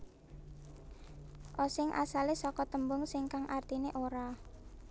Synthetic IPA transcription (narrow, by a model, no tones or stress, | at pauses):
ʔɔsɪŋʔa̰salesɔkɔt̪əmbʊŋsɪŋkaŋʔart̪ineʔoɾa